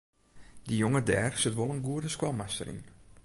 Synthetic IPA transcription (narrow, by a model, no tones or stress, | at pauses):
dijoŋədɛːrsɪtʋolˠənɡuədəskwɔlˠmastə̰ɾḭn